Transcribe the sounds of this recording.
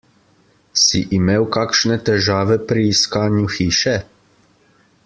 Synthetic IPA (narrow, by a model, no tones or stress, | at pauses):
sḭʔimeːwkaːkʃnɛt̪ɛʒaːʋɛpɾiːskaːnjuxiːʃɛ